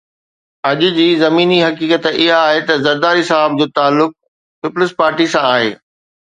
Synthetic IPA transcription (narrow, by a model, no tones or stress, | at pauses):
ɐʄʊ̆d͡ʑiːzɐmiːniɦɐkiːkət̪ɪɦaːɦet̪ɐzɐɾd̪aːɾɦɪsaːɦəb̚d͡ʑoːt̪aːlːʊk̚ | pɪplɪspaːɾʈisãaːɦḛː